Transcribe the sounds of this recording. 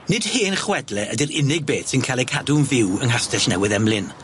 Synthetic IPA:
nɪd̥hɪːnχwɛdlɛʔədɪɾɪnɪɡ̚beːtsɪnkʰalɛkʰadʊnvɪwəŋɦastɛɬnɛwɪðɛmlɪn

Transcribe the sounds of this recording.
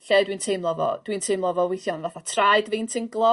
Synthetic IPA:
ɬɛdwintʰemlˠɔvɔ̰d̥wintʰeɨmlˠɔvɔwɪθjɔnvaθatʰraɨdvintʰɪŋɡlˠɔ

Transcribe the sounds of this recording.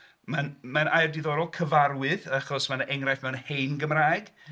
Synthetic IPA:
manmanʔajrdiðɔɾɔlˠkʰəvarwɨðaχɔsmanʔɛŋrajθmɛwnhejnɡəmraːjɡ̥

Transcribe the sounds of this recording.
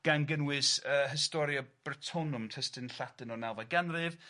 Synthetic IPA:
ɡ̥anɡənwɨsəːɦɪstɔɾjɔb̥ərtʰɔnʊmtʰɛstɨnɬatɨnɔnɛlˠvaɡɛnrɨv

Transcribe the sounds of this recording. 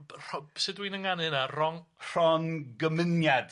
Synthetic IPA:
rɔbsɨdwinəŋanɨnarɔŋr̥ɔnɡəmɪnjad̥

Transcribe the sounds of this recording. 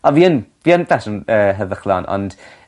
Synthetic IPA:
ɔviːənviːənfɛsənəːɦəðəχlˠɔnɔ̰nd̥

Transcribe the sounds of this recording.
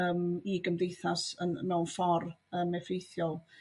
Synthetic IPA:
əːmiɡəmdejθasənmɛwnfɔrəːmɛfejθjɔlˠ

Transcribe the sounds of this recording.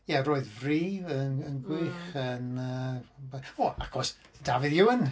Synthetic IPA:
jɛroːɨðvriːvənənɡwɪːχənəbɔa̰kʰɔs | d̥avɨðjɪwən

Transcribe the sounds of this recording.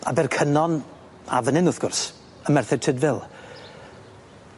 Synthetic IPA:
a̰bɛrkʰənɔn | a̰vənɪnʊθɡ̥ʊrs | əmɛrθɛd̚tʰɪdvɪlˠ

